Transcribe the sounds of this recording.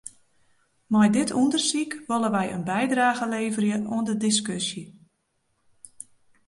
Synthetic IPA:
mɔjdɪtʰundərsikʋɔləʋɛjə̰nbɛjdraːɣəleːvərjəʔoəndədiskøsjə

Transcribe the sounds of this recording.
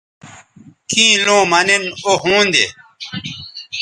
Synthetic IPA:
kĩːlõːmɐnenoɦũːnd̪ḛ

